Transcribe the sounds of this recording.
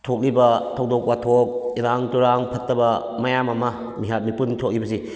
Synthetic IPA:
tʰok̚libɐtʰɐwdok̚watʰok̚iɾaŋtuɾaŋpʰɐtːɐbɐ | mɐjamɐmɐ | miɦat̚mipuntʰok̚libɐsi

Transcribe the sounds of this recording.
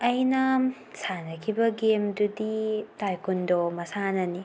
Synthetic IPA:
ɐjnɐ | sanɐkʰibɐɡemduditajkundomɐsanɐni

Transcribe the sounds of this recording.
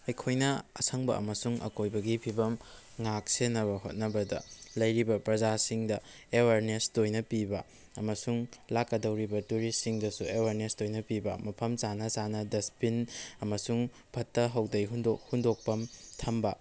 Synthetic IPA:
ɐjkʰojnɐɐsʰɐŋbɐ̰ʔɐ̰mɐsuŋɐ̰kojbɐɡipʰibɐm | ŋak̚senɐβɐɦo̰t̚nɐbɐdɐ̰lɐjɾibɐpɾɐzasiŋdɐ | eweɾnesdojnɐpibɐ | ɐmɐsuŋlakːɐdɐwɾibɐtuɾisiŋdɐsueweɾnesdojnɐpibɐ̰mɐpʰɐmt͡ʃanɐsanɐdɐspinɐmɐsuŋ | pʰɐtːɐɦɐwdɐjɦundohundok̚pɐmtʰɐmbɐ

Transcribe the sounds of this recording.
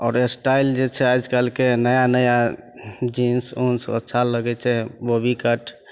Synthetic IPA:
ɔːɾesʈaild͡ʒet͡ʃʰɛajd͡ʒkəlkenəjanəja | d͡ʒinsũnsə̰tːʃʰaləɡɛt͡ʃʰɛbobikəʈʰ

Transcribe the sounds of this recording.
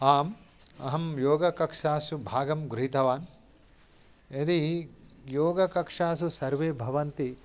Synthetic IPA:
aːm | ɐ̰ɦɐmjoːɡɐkɐkʂaːsubʱaːɡɐmɡɾɦit̪ɐʋaːn | ed̪ijoːɡɐkɐkʂaːsusɐɾʋeːbʱɐʋɐnt̪i

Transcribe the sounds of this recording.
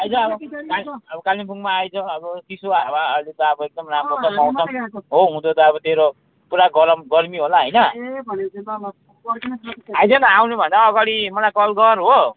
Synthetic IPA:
ajd͡zʌʌbʌkalʌbʌkalinpʰuŋmaːjt͡sʰʌ̃ʌbʌt̪isoabaʌɾlet̪ʌʌbʌek̚d̪ʌmramot͡sʰʌpaw̃t͡sʰʌɦoɦũd̪ot̪ʌːbʌt̪eɾo | puɾaɡʌɾʌmɡʌrmiɦolaɦʌjnʌ | ɦajd͡zʌnʌawnubʱʌnd̪aʌɡaɽimʌlajkʌlɡʌɾɦo

